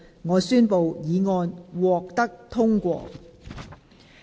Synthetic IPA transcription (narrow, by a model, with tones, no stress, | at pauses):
ŋɔː˨˧syː˥npo˨wjiː˨˧ŋɔː˧nwɔː˨k̚t̪ɐ˥k̚t̪ʰʊ˥ŋkʷɔ̰ː˧